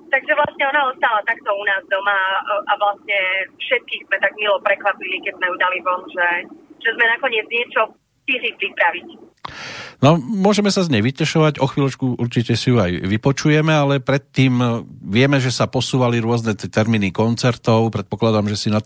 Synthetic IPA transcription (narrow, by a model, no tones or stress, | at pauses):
t̪aɡʒɛʋlasɲɛɔnaɔst̪alat̪akt̪ɔunaːzd̪ɔmaʔaʋlasɲɛfʃɛt̪̚kiːzmɛt̪aɡmilɔpɾɛkʋapilikɛɟzmɛjud̪alivɔnʒɛʒ̥ɛzmɛnakɔɲɪɛd͡zɲɪɛt͡ʃɔ | t̪iɦlipɾipɾaʋic | nɔmʊɔʒɛmɛsazɲɛjʋicɛʃɔʋaɟɔxʋiːlɔt͡ʃkuʔuɾt͡ʃicɛsijuajʋipɔt͡ʃujɛmɛalɛpɾɛt̪ːiːmʋɪɛmɛʒɛsapɔsuːʋaliɾʊɔznɛt̪ɛt̪ɛɾmiːnikɔnt͡sɛɾt̪ɔʊpɾɛt̪̚pɔklad̪amʒɛsina